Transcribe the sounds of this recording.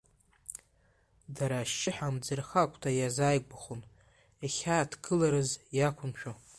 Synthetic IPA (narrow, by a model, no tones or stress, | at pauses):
daɾaʃt͡ʃɪħamd͡zɨrχakʷʰʼtʰajazaːjɡʷaχʊn | aχʲaːtʰɡɨlaɾɨzjakʷʰʊmʃᶣo